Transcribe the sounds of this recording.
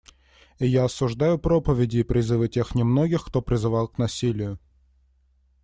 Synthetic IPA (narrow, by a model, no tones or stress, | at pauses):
ijaɐsʊʐd̪ajʊpɾopəvʲɪdʲɪːpɾʲɪzɨvɨtʲe̞xnʲɪmnoɡʲɪxkt̪opɾʲɪzɨvɑlˠknɐsʲilʲɪjʊ